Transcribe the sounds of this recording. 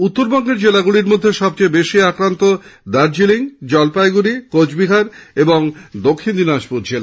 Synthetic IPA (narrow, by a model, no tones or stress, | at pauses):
ut̪ːoɾbɔŋɡeɾd͡ʑelaɡuɽiɾmod̪ʱːeʃɔb̚t͡ɕejbeʃiakɾant̪od̪aɾd͡ʑiliŋd͡ʑɔlpajɡuɾikod͡ʑbiɦaɾeboŋd̪okʰːind̪inaʃpuɾd͡ʑela